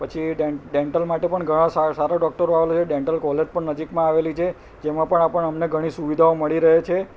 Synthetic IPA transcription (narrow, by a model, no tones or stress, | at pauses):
pət͡ʃʰiɖeɖeɳʈəlmaʈepəɳɡʱəɽ̃ãsasaɾaɖɔk̚ʈəɾoaʋelot͡ʃʰeɖẽɳʈəlkɔled͡ʒpəɳnəd͡ʒikmãaʋelit͡ʃʰe | d͡ʒemãpəɳapəɳəmneɡʱəɽ̃isuʋid̪ʱaoməɭiɾəɦet͡ʃʰe